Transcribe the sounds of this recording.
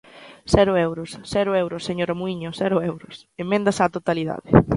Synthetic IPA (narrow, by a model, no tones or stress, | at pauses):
sɛɾʊewɾʊssɛɾʊewɾʊsːeɲoɾamuiɲʊsɛɾʊewɾʊs | emːẽnd̪asat̪ot̪aliða̰ðɪ